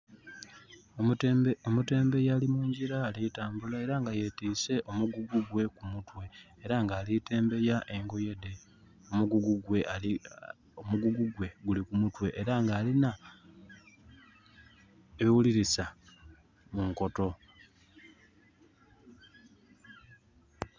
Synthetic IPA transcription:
omute̞ːmbe̞jaːlimuːɲɟiɾaːlitaːmbulae̞ɾaŋɡaje̞tiːse̞ʔo̞muɡuɡuɡwe̞kumutwe̞ː | ɾaŋɡaːlite̞ːmbe̞jaʔe̞ŋɡo̞je̞de | omuɡuɡuɡwe̞ali | omuɡuɡuɡwe̞ɡulikumutwe̞ʔːɾaŋɡaːlina | eβiwuliɾisa | muŋko̞to̞

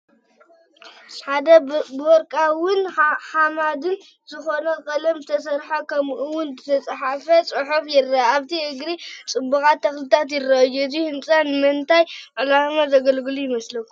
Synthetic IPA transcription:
ħad̪ɐbɔɾkʼawʊnhamad̪ɨn | zɨxo̞nɐkʼɐlɐmzɨt̪ʰɐs̬ɐɾħakʰɐmʔɨwʊnzɨt̪ʰɐt͡sʼħafɐt͡sʼɨħufjɪrɐaβt̪ʰiʔɨɡɾit͡sʼɨbːɐkʼat̪ʰːɐxlɨt̪ʰat̪̬jɪrːɐjuzihɨnt͡sʼɐnɨmɨnt̪ʰajʕɨlamazɐɡɐlɡɨlujɪmɐslɐkːu

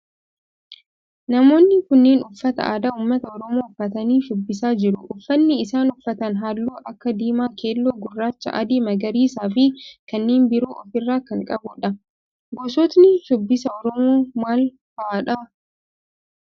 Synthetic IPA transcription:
nɐmo̞ːnːɪkʊnːeːnʊfːɐt̪ɐ̰ʔaːd̪aːʊːmːɐt̪ɐɔɾɔmoːʊfːɐt̪ɐniːʃʊbːɪs̬aːd͡ʒɪɾʊʔʊfːɐnːɪːsaːnʊfːɐt̪ɐnɦaːlːoːʔɐkːɐd̪iːmaːkʰeːlːoːɡʊrːaːt͡ʃːɐ̰ʔɐ̰d̪iːmɐɡɐɾiːsaːfɪkɐnːeːnbɪɾuːʔɔfɪrːaːkɐŋkʼɐbʊᶑɐ | ɡɔsɔːt̪nɪʃʊbːɪsɐɔɾɔmoːmaːl | fɐʔaᶑɐ

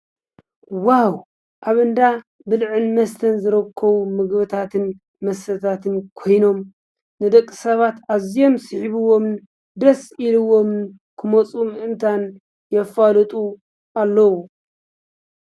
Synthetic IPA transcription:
waw | ʔaβɨnd̪a | bɨlʕɨnmɐst̪ʰɐnzɨɾɐkʰːɐβumɨɡbɨt̪ʰat̪ʰɨn | mɐst̪ɐt̪ʰat̪ʰɨnkʰo̞jno̞m | nɨd̪ɐkʼːɨ̥sɐβat̪aβzijo̞msɨħiβɨwo̞m | d̪ɾɐsilɨwo̞mn | kʰɨmot͡sʼumɨʔɨnt̪ʰan | jɛfalɨt̪ʼu | ʔalːɐwu

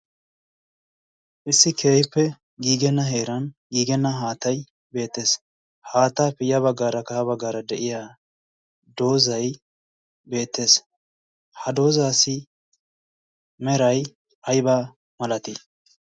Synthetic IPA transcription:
ʔɪsːɪkʰe̞ːjpːɛ | ɡiːɡɛnːɐɦeːɾɐnɡiːɡɛnːɐɦaːt̪ɐj | be̞ːt̪ːe̞ːs | haːt̪ːaːpɪjɐβɐɡːaːɾɐkɐhɐbɐɡːaːɾɐd̪ɛʔɪja | d̪o̞ːzɐj | be̞ːt̪ːe̞ːs | hɐd̪o̞ːzaːsɪ | mɛɾɐj | ʔɐjbaː | mɐlɐt̪i

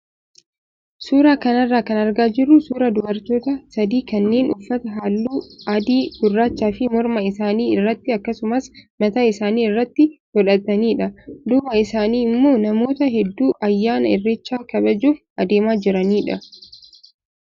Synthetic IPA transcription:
suːɾaːkɐnɐrːaːkɐnɐɾɡaːd͡ʒɪrːʊsuːɾɐd̪ʊbɐɾt̪o̞ːt̪ɐsɐd̪iːkɐnːeːnʔʊfːɐt̪ɐɦaːlːuːɐd̪iːɡʊrːaːt͡ʃːaːfɪmɔɾmɐɪsaːniːɪrːɐt̪ːɪɐkːɐsʊmɐsmɐt̪aːɪsaːniːɪrːɐt̪ːɪɡɔᶑɐt̪ːɐniːᶑɐd̪ʊbɐɪsaːniːɪmːo̞ːnɐmo̞ːt̪ɐɦɛd̪ːuːʔɐjːaːnɐɪrːeːt͡ʃːaːkɐbɐd͡ʒuːfʔɐd̪eːmaːd͡ʒɪɾɐniːᶑɐ

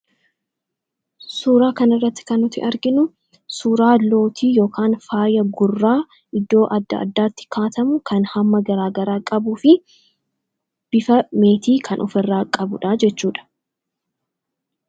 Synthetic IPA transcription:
suːɾaːkɐnɪrːɐt̪ːɪ̥kɐnːʊt̪ɪ̰ʔɐɾɡɪnʊ | suːɾaːlo̞ːt̪ʰiːjo̞ːkʰaːnfaːjɐɡʊrːaː | ʔɪd̪ːo̞ːʔɐd̪ːɐ̰ʔɐ̰d̪ːaːt̪ːɪ̥kʰaːt̪ɐmʊkʰɐnhɐmːɐɡɐɾaːɡɐɾaːkʼɐbuːfɪ | b̥ɪfɐme̞ːt̪iːkʰɐnʔɔ̰fɛrːaːkʼɐbʊᶑaːd͡ʒɛt͡ʃːuːᶑɐ̥

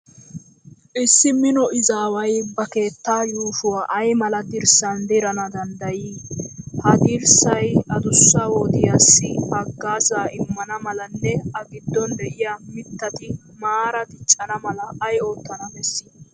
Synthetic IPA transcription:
ʔɪsːɪmɪnɔʔɪzaːwɐjbɐke̞ːt̪ːaːjuːʃʊwaːʔɐjmɐlɐd̪ɪɾsɐnd̪ɪɾɐnɐd̪ɐnd̪ɐjiːhɐd̪ɪɾsɐjɐd̪ʊsːɐwoːd̪ɪjaːsːɪɐɡːaːzaːʔɪmːɐnɐmɐlɐnːɛɐɡɪd̪ːɔnd̪ɛʔɪjaːmɪt̪ːɐt̪ɪ | maːɾɐd̪ɪt͡ʃʼːɐnɐmɐlɐːjo̞ːt̪ːɐnɐb̪ɛsːiː

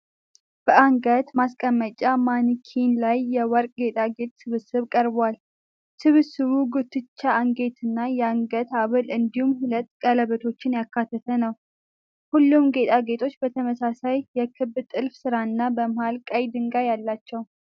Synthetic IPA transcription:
b̥əaŋɡət̪maskʼəmːət͡ʃʼamankʰinlajːɛwɔɾkʼɡe̞t̪ʼaɡe̞t̪ʼsɨβɨsɨβkʼəɾbwal | sɨβɨsɨβuɡɨt̪ːɨt͡ʃːaːŋɡe̞t̪ʰɨnːajɛaŋɡət̪aβɨlɨnd̪ihumhulət̪ːkʼələβət̪ʰo̞t͡ʃːɪnjakːat̪ʰːət̪ʰənəw | hulːumɡe̞t̪ʼaɡe̞t̪ʰo̞t͡ʃːbət̪ʰəməsasajːɛkʰɨbːt̪ʼɨlfsɨɾaɨnːabəmɨhalkʼajd̪ɨŋɡajalːat͡ʃːɛw

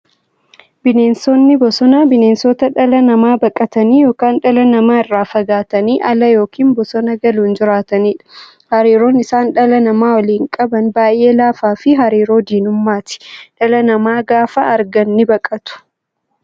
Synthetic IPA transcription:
bɪne̞ːnsɔnːɪbɔsɔnaːbɪneːnsɔt̪ɐᶑɐlɐnɐmaːbɐkʼɐt̪ɐniːjo̞ːkaːnᶑɐlɐnɐmaːɪrːaːfɐɡaːt̪ɐniːʔɐlɐjo̞ːkʰiːnbɔsɔnɐɡɐluːnd͡ʒɪɾaːt̪ɐniːᶑɐ̥ | hɐɾiːɾo̞ːnɪsaːnᶑɐlɐnɐmaːwɐliːŋkʼɐbɐnbaːjʔe̞ːlaːfaːfɪɦɐɾiːɾo̞ːd̪iːnʊmːaːt̪ɪ̥ᶑɐlɐnɐmaːɡaːfɐːɾɡɐnːɪbɐkʼɐt̪ʊ̥

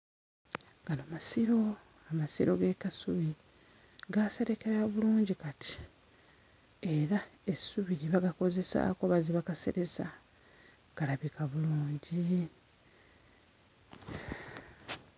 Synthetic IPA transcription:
ɡanomasiɾo̞ | amasiɾo̞ɡe̞kasuβi | ɡase̞ɾe̞keɾaβuluːɲɟikati̥ | e̞ɾae̞suβiɾiβaɡako̞ze̞sa̰ko̞βaziβakase̞̰ɾe̞sa | ɡ̥alaβikaβuluːɲɟi

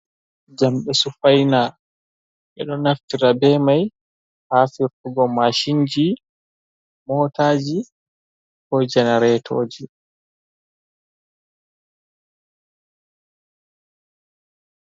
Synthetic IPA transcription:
d͡ʒamɓɛsufajna | ɓɛ̰ɗɔnaftiɾabɛmaj | haːfiɾtuɡɔmaʃiɲd͡ʒi | mɔːtaːd͡ʒi | kɔjd͡ʒɛnaɾɛtʰoːd͡ʒi

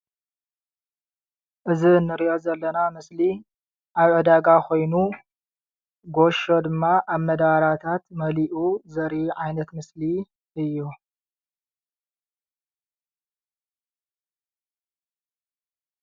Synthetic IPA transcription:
ʔɨzinːɨɾiʔo̞zɐlːɐnamɨsli | ʔaβʕɨd̪aɡakʰo̞jnu | ɡo̞ʃo̞d̪ɨmːaʔaβmɐd̪aɾat̪ʰat̪mɐliʔuzɐɾiʕajnɐt̪mɨsli | ʔɨjːu

